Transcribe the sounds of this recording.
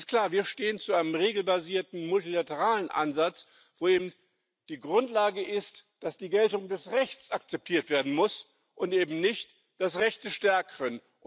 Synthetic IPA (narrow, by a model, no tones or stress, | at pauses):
stkl̥aːɐviːɐʃteːənt͡suʔaɪnəmʁeːɡl̩baziːɐtn̩mʊltilatəʁaːlənʔa̰nzat͡s | v̥oːeːbm̩ | d̥iːɡʁʊntlaːɡəʔɪstd̥asd̥iːɡɛltʊŋdɛsʁɛçt͡sakt͡sɛp̚tʰiːɐtv̥eːɐdn̩mʊs | ʔʊntʔeːbm̩nɪçt | d̥as̬ʁɛçt̚d̥əʃtɛɐkəʁən